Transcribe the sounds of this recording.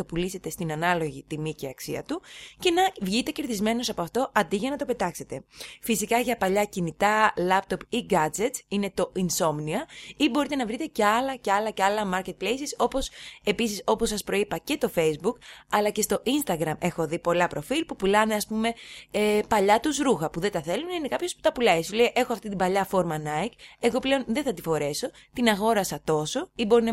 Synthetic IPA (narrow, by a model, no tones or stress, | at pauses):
t̪opulise̞t̪e̞st̪inɐnɐlo̞ʝit̪imiceɐksiɐ̰t̪uce̞nɐvʝit̪e̞ce̞ɾt̪izme̞no̞sɐpo̞ɐft̪o̞ʔɐnd̪iʝɐnɐt̪o̞pe̞t̪ɐkse̞t̪e̞fisikɐʝɐpɐʎɐcinit̪ɐlɐpt̪o̞piɡɐd͡ze̞t̪sine̞t̪o̞ʔinso̞mniɐibo̞ɾit̪e̞nɐvɾit̪e̞ce̞ɐlɐce̞ɐlɐceɐlɐmɐɾce̞t̪̚ple̞jsiso̞po̞se̞pisiso̞po̞sːɐspɾo̞ipɐce̞t̪o̞fe̞jzbukɐlɐce̞st̪o̞ʔinst̪ɐɣɾɐme̞xo̞ðipo̞lɐpɾo̞filpupulɐne̞ɐspume̞epɐʎɐt̪usɾuxɐpuðe̞t̪ɐθe̞lunine̞kɐpço̞spu̥t̪ɐpulɐjsulejʔe̞xoɐft̪it̪ibɐʎɐfo̞ɾmɐnɐike̞ɣo̞ple̞o̞nðe̞θɐt̪ifo̞ɾe̞so̞ | t̪inɐɣo̞ɾɐsɐt̪o̞so̞ibo̞ɾinɐ